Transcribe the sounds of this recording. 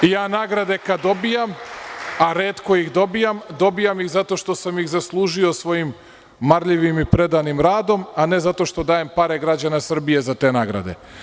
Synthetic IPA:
ijaːnaːɡɾad̪e̞kad̪d̪o̞bijamaɾe̞ːt̪ko̞jixd̪o̞bijamd̪o̞bijamjixzat̪o̞ʃt̪o̞samjixzaslˠuːʒio̞sʋo̞jimː | aɾʎiʋimipɾe̞d̪animɾaːd̪o̞mane̞zat̪o̞ʃt̪o̞d̪aːje̞mpaɾe̞ɡɾad͡ʑanasr̩bije̞zat̪e̞ːnaːɡɾa̰d̪e̞̰

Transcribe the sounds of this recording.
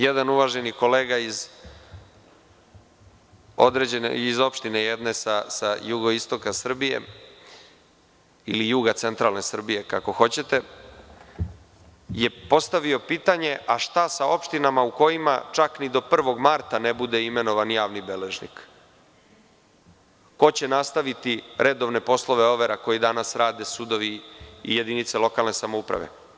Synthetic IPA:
jed̪anuʋaʒe̞niko̞leːɡaiz | o̞d̪ɾed͡ʑenḛizo̞pʃt̪inejed̪ne̞sasajuɡo̞ist̪o̞kasr̩bijḛ | ilijuɡat̪se̞nt̪ɾalne̞sr̩bije̞kako̞xo̞t͡ɕe̞t̪e̞ | je̞po̞st̪aʋio̞piːt̪aɲe̞ʔaʃt̪asao̞pʃt̪inamauko̞jima̰t͡ʃaknid̪o̞pr̩ʋo̞ɡmaɾt̪anebud̪e̞ime̞no̞ʋanjaːʋnibe̞leʒnḭk | ko̞t͡ɕe̞nast̪aʋit̪iɾʔe̞d̪o̞ʋne̞po̞slˠo̞ʋeo̞ʋeɾako̞jid̪anasɾaːd̪e̞sud̪o̞ʋḭːje̞d̪init̪selo̞kalˠne̞samo̞upɾa̰ʋḛ

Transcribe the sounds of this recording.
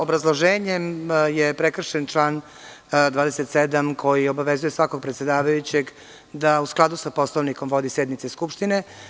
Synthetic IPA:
obɾazlˠoʒeːɲemjepɾekr̩ʃent͡ʂlˠaːn | d̪vaːd̪eset̪sed̪amkʰo̞jio̞baʋezujesʋako̞ɡ̚pɾet̪sjed̪aːʋajut͡ɕe̞ɡ | d̪ausklˠad̪usapo̞slˠoʋniko̞mʋo̞d̪isjed̪nit̪seskupʃt̪ine̞

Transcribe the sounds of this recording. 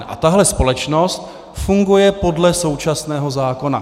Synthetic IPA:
ʔa̰t̪aɦlɛspo̞lɛt͡ʃno̞st̪ | fuŋɡujɛpo̞dlɛso̞wt͡ʃasnɛːɦo̞zaːko̞na̰

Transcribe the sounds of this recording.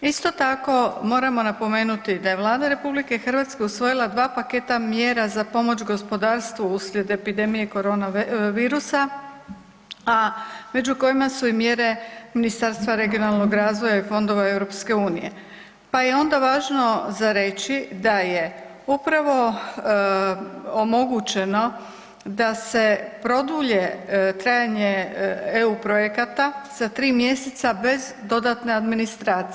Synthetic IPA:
ist̪o̞t̪ako̞mo̞ːɾamo̞napo̞me̞ːnut̪id̪ajeʋlˠaːd̪aɾe̞publike̞xr̩ʋat̪ske̞usʋo̞jilˠad̪ʋaːpake̞t̪amje̞ːɾazapo̞mo̞t͡ʃɡo̞spo̞d̪aːɾst̪ʋuusʎʲe̞d̪e̞pid̪e̞mije̞ko̞ɾo̞ːnaʋiːɾusa | ame̞d͡ʑuko̞jimasuimje̞ɾe̞minist̪aɾst̪ʋaɾe̞ɡijonalˠno̞ɡɾaːzʋo̞jaifo̞nd̪o̞ʋae̞wɾo̞pske̞uːnije̞̰ | paje̞o̞nd̪aʋaːʒno̞zaɾe̞t͡ɕid̪aje | upɾaʋo̞ | omo̞ɡut͡ɕe̞no̞ | d̪ase̞pɾo̞d̪uʎet̪ɾaːjaɲeeupɾojekat̪az̥at̪ɾiːmje̞set̪sabe̞zd̪o̞d̪at̪ne̞ad̪minist̪ɾaːt̪si

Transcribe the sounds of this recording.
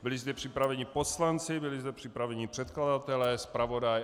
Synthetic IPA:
bɪlɪzd̪ɛpr̝̥ɪpɾavɛɲɪposlant͡sɪbɪlɪzd̪ɛpr̝̥ɪpɾavɛɲɪpr̝̥ɛt̪kladat̪ɛlɛːspɾavo̞daj

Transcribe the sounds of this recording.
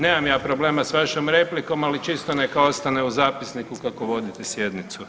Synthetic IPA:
neːmamjaːpɾoble̞ːmasʋaʃomɾe̞pliko̞malit͡ʃist̪one̞kao̞st̪aneuzaːpisnikukako̞ʋo̞d̪it̪esje̞d̪nit̪su

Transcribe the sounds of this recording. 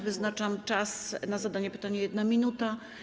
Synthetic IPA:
vɘznat͡ʂamt͡ʂasnazad̪aɲɛpɘ̥t̪aɲɛjɛd̪namʲinut̪a

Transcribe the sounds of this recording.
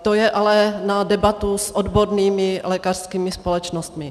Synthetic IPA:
t̪ojɛʔalɛnadɛbat̪usʔodboɾniːmɪlɛːkar̥skiːmɪspo̞lɛt͡ʃnost̪mɪ

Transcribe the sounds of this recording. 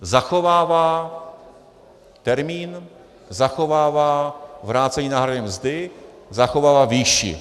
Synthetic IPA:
zaxovaːvaː | t̪ɛɾmiːn | zaxovaːvaːvɾaːt͡sɛɲiːnaːɦɾadɛmzdɪ | zaxovaːvaːviːʃɪ̰

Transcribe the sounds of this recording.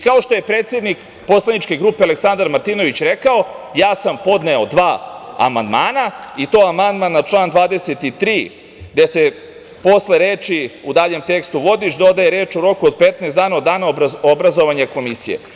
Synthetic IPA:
kao̞ʃt̪oje̞pɾeːt̪sje̞d̪nik | po̞slˠanit͡ʃke̞ɡɾuːpeale̞ksand̪aɾmaɾt̪ino̞ʋit͡ɕɾe̞kao̞jaːsampo̞d̪ne̞od̪ʋaːa̰mand̪maːnait̪o̞ːamand̪manːat͡ʃlˠaːnd̪ʋaːd̪e̞set̪it̪ɾiː | ɡd̪e̞se̞ | po̞sle̞ɾeːt͡ʃiud̪aːʎe̞mt̪e̞kst̪uʋo̞d̪iʃd̪o̞d̪ajeɾeːt͡ʃuɾo̞kuod̪̚pet̪nɛːsaːnao̞d̪ːaːnaoobɾazo̞ʋaɲako̞misḭjḛ

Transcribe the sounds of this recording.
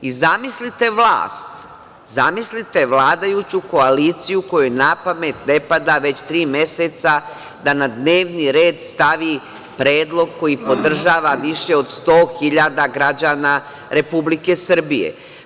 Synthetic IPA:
izamislit̪e̞ʋla̰ːst̪ | zamislit̪e̞ʋlaːd̪ajut͡ɕuko̞aliːt̪sijuko̞junapame̞t̪ne̞pad̪aʋe̞t͡ɕt̪ɾiːmje̞set̪sa | d̪anad̪ne̞ːʋniɾe̞ːd̪st̪aʋi | pɾeːd̪lˠo̞ɡ̚ko̞jipo̞d̪r̩ʒaːʋaʋiʃe̞o̞d̪st̪o̞ːxiʎad̪aɡɾad͡ʑaːna | ɾe̞publike̞sr̩bijḛ

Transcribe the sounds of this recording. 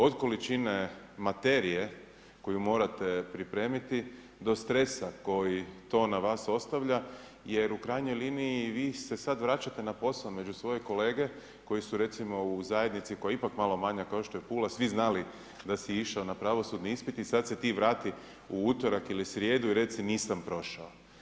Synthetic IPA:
o̞d̪ko̞lit͡ʃine | mat̪e̞ɾije̞ | ko̞jumo̞ːɾat̪e̞pɾipɾe̞ːmit̪i | d̪o̞st̪ɾe̞sako̞jit̪o̞ːnaʋaːso̞st̪aʋʎa | je̞ɾukɾajɲo̞jliːniiʋiːse̞sad̪ʋɾat͡ʃat̪e̞napo̞saome̞d͡ʑusʋo̞joko̞le̞ːɡe̞ | ko̞jisuɾe̞t̪simo̞uzaje̞d̪nit̪siko̞jaipakmaːlˠo̞maɲakao̞ʃt̪ojepuːlasʋiznali | d̪asiiʃaonapɾaʋo̞sud̪niispit̪isad̪se̞t̪iːʋɾaːt̪i | uuːt̪o̞ɾakilisɾje̞ːd̪uiɾe̞t̪siniːsampɾo̞ʃao

